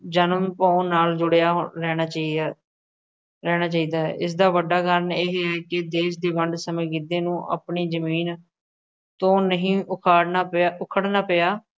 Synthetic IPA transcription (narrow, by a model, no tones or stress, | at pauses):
d͡ʒənəmpõːnːaːld͡ʒʊɽejaːɾɛːnaːt͡ʃaːiːa | ɾɛːñaːt͡ʃaːiːd̪aːɦɛ̰ːɪs̬d̪aːʋəɖaːkəɾəɳeːɦɛːkɪd̪eːʃd̪eːʋəɳɖsəmẽːɡɪd̪eːnũːʔə̰ːpɳiːzəmiːn | t̪õːnəɦĩːʊkʰaːɽnaːʊkʰəɽnaːpejaː